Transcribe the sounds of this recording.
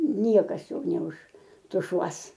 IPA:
ˈnʲiɛkɐs ˈjoː nʲɛʊʃtʊˈʃuɔs

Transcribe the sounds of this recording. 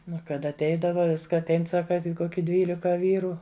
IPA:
ˈnʊ ˈkɐt ɐtʲˈɛɪdɐʋɐ ˈʋʲɪskɐ ɐtʲˈɛɪn ˈsɑːkɐ ˈkoːkʲɪ ˈdʲʋʲiːlʲɪkɐ ˈʋʲiːrʊ

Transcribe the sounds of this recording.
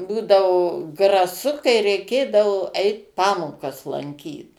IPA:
ˈbuːdɐʋoː ɡrɐˈsʊ kɐɪ rʲɛɪˈkʲeːdɐʋoː ˈɛɪt ˈpɑːmoːkɐs lˠɐŋʲˈkʲiːt

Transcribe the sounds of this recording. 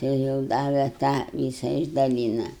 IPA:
tɐɪ jɛʊ ˈdɑːʋʲɛ ˈtɑː ˈʋʲiːsɐ ɪʒdɐˈlʲiːnɐ

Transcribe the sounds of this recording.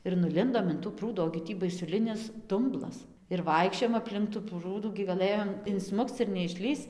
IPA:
ɪr nʊˈlʲɪndoːm ɪn tuː ˈpruːduː oːɡʲɪ ˈtʲiː bɐɪsʊˈlʲɪnʲɪs ˈdʊmblˠɐs ɪr ˈʋɐɪkʃʲt͡ʃʲoːjoːm ɐpʲˈlʲɪŋk tuː ˈpruːduː ɡʲɪ ɡɐˈlˠɘjoːm ɪnˈsmʊkt͡s ɪr nʲɛɪʃʲˈlʲiːst͡s

